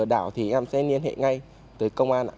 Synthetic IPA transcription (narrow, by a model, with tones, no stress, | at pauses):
əɗaː˧˩wt̪ʰi˨˩ʔɛ˧msɛ˧nli˧ənɦḛ˧˨ŋa˧j | t̪ɨ˨˩kə˧wŋ͡mʔaː˧nʔː